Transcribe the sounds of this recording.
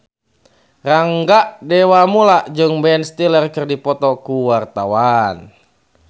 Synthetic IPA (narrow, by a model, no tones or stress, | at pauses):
raŋɡaʔdɛwamulaʔd͡ʒɨŋbɛnst̪ilərkɨrdipɔt̪ɔkuwart̪awan